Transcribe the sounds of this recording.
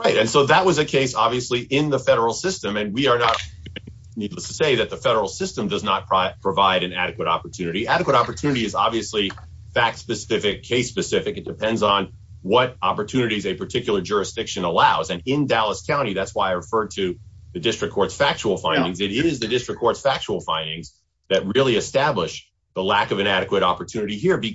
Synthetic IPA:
ɹaɪtɨ̃nsoʊðət̚wʌzɨkʰeɪsɑbviɨsliʔɪ̃nðəfɛɾə˞l̩ˠsɪstɨ̃mɨ̃nwiə˞nət̚ | nidˡləstʰɨ̥seɪðɨt̪̚ðɨfɛɾə˞l̩ˠsɪstɨ̃mdʌznət̚pʰpʰɹ̥əvaɪɾɨ̃næɾɨkwəɾɑ̰pə˞tʰʉnɨɾiʔæɾɨkwəɾɑpə˞tʰʉnɨɾiɨzɑ̰bviɨsli | fæk̚tspɨsɪfɨkʰeɪspɨsɪfɨkɨt̚d̥ɨpʰɛ̃ndzn̩ | wʌɾɑpə˞tʰʉnɨɾizɨpʰə˞tʰɪkjl̩ˠə˞d͡ʒʊɹɨsd̥ɪkʃɨ̃nəlaʊzɨ̃nɪ̃ndælˠəskʰãʊ̃ɾ̃iðætswaɪaɪɹɨfɜ˞d̚ɾɨðɨdɪstɹ̥ɨkʰːɔɹtsfæk̚t͡ʃəl̩ˠfãɪ̃ndɪ̃ŋzɨɾɪzðɨdɪstɹ̥ɨkʰːɔɹtsfæk̚t͡ʃəl̩ˠfãɪ̃ndɪ̃ŋz | ðɨt̚ɹɪlˠiɨstæblɪʃ | ðəlækʌvɨ̃ñæɾɨkwəɾɑpə˞tʰʉnɨɾiɦiɹbi

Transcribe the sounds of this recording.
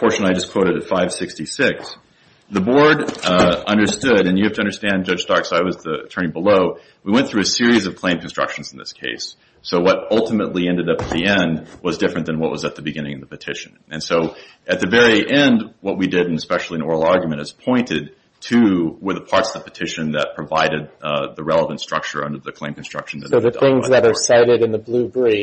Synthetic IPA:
pʰɔɹʃɨ̃naɪd͡ʒʌskʰw̥oʊɾɨɾɨtfaɪv̥sɪkstisɪks | ðɨbɔɹɾʌ̃ndə˞stʊɾɨ̃njɨhæftɨʌ̃ndə˞stæ̃nd͡ʒʌ̥ʒ̥stɑksaɪwʌzðəɨ̰tʰɜ̃˞nibəloʊ | wiwɛ̃nθɹʉɨsɪɹizʌv̥kʰl̥ẽɪ̃mkʰn̩stɹ̥ʌ̰kʃn̩zn̩ðɪ̰skʰḛɪsː | oʊwʌɾʌlˠtəmətˡliɛ̃ndɨɾʌpɨt̪̚ðiɛ̃nd̚wʌzdɪfɹɨ̃nðɨ̃nwʌʔ̚wʌzɨt̪̚ðɨbɨɡɪ̃ñɪ̃ŋʌvðəpɨtʰɪʃɨ̃nɨ̃nsoʊ | ɨt̪̚ðɨvɛɹiʔɛ̃ndwʌʔ̚widɪɾɨ̃n̩ɨspɛʃl̩ˠiɨ̃nɔɹl̩ˠɑɹɡjmɨ̃ɾ̃ɨz̥pʰɔ̃ɪ̃ntɪd̚ | tʰɨwə˞ðəpʰɑɹtsʌvðəpɨtʰɪʃɨ̃nðɨt̚pʰɹ̥ɨvaɪɾɨd̪̚ðəɹɛlˠəvə̃ntstɹ̥ʌ̰k̚t͡ʃə̰˞ʌ̰̃ndə˞ðɨkʰl̥ẽɪ̃mkʰn̩stɹ̥ʌ̰kʃn̩ðɨt̚əðɨ̰θɪ̃ŋzðəɾə˞saɪɾɨɾɨ̃nðəblʉbɹi

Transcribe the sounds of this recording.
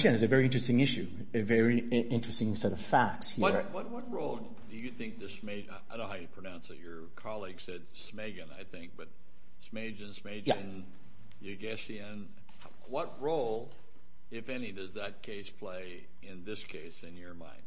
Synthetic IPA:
sæ̃nðɨzɨvɛɹiɪ̃nt͡ʃɹɨstɪ̃ŋɪʃʉ | ɨvɛɹiʔɪ̃nt͡ʃɹ̥ɨstɪ̃ŋsɛɾʌv̥fæk̚tshiʌwʌt̚wʌt̚ɹoʊlˠ | dɨjɨθɪ̃ŋk̚ðɨsmeɪaɪaɪdõʊnhaʊjɨpʰɹ̥ɨnãʊ̃nsðɨt͡ʃə˞kʰɑlˠiɡ̥sɛd̥smeɪɡɨ̃na̰ɪθɪ̃ŋk̚b̥ʌt̚ | smeɪd͡ʒɨ̃nsmeɪd͡ʒjɨ̃n | jɨɡɛsiɨ̃n | wʌt̚ɹoʊlˠ | ɪfɛnidʌzðɨt̚kʰeɪspʰl̥eɪ | ɪ̃nðɪskʰeɪsɨ̃njə˞mã̰ɪ̃nd̥

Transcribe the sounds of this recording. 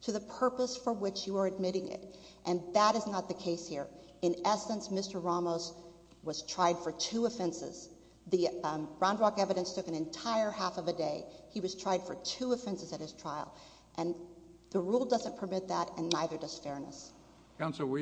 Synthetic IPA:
tʰɨðɨpʰɜ˞pəsfə˞wɪt͡ʃjɨə˞ɨd̚mɪɾɪ̃ŋɪ̰ɾ | ʔɨ̃nðəɾɨznət̪̚ðɨkʰeɪshiɹ | ɨ̃nɛsə̃nsmɪstə˞ɹɑmoʊz | wʌz̥tʰɹ̥aɪd̥fə˞tʰʉɨfɛ̃nsɪ̰z̥ | ðib̥ɹɑ̃ʊ̃ndɹɑkɛvɨɾɨ̃nstʰʊkɨ̃nɨ̃ntʰaɪə˞hæfʌvɨdeɪiwʌz̥tʰɹ̥aɪd̥fə˞tʰʉɨfɛ̃nsɨzɨt̚hɨz̥tʰɹ̥aɪl̩ˠ | ʔɨ̃nðɨɹulˠdʌzɨ̃npʰə˞mɪt̪̚ðəɾɨ̃nːaɪðə˞dʌz̥fɛɹnə̰s | kʰãʊ̃ns̩ˠwi

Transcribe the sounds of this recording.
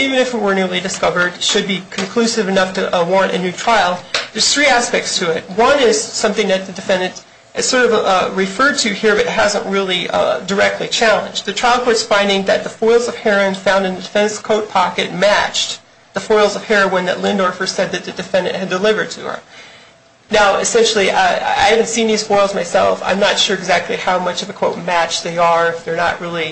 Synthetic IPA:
ivɨ̃nɨfɨt̚wə˞nʉlˠidɨskʌvə˞d̥ʃɨd̚bikʰɨ̃nkʰl̥ʉsɨvɨnʌftʰɨʔwɔɹɨ̃ñtɨ̰nʉtʰɹ̥aɪl̩ˠðə˞z̥θɹiæspɛk̚tstʰɨɪt̚wʌ̃nɪz̥sʌ̃mθɪ̃ŋðɨt̪̚ðɨdɨfɛ̃ndɨ̃nt | ʔɨtsɔɹɾʌvɹɨfɜ˞d̚tʰɨhiɹɨfɨt̚ɦæzə̃nʔɹɪlˠidə˞ɛk̚tʰˡlit͡ʃʰælˠə̃nd͡ʒðɨtʰɹ̥aɪlˠkʰɔʊtsfãɪ̃ndɪ̃ŋðɨt̪̚ðəfɔɪlˠzʌv̥hɛɹɨ̃nfãʊ̃ndɨ̃nðɨdɨfɛ̃nskʰoʊt̚pʰɑkɨt̚mæt͡ʃ | ðəfɔɪl̩ˠzʌv̥hɛɹowə̃nðɨ̰tˡlɪ̃ndɔɹfə̥˞sɛd̪̚ðɨt̪̚ðɨdɨfɛ̃ndɨ̰̃ʔ̚hɨdəlɪvə˞d̚tʰɨ̰ə̰˞ | naʊɨsɛ̃nʃl̩ˠia̰ɪhævɨ̃ntsĩnðiz̥fɔɪl̩ˠzmaɪsɛlˠfã̰ɪ̃mnətʃʊɹɨɡzæk̚tʰˡlihaʊmʌt͡ʃʌvðɨkʰwoʊt̚mæt͡ʃðeɪə˞ɪfðə˞nəʔɹɪlˠi

